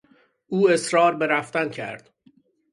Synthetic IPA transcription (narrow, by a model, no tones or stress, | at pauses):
ʔuːe̞sɾɒːɾbeɾæft̪æncʰæ̰ɾd̪̥